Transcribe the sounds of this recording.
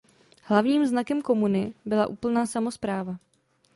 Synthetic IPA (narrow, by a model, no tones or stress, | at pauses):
hlavɲiːmznakɛmko̞munɪbɪla̰ʔuːpl̩naːsamo̞spɾaːva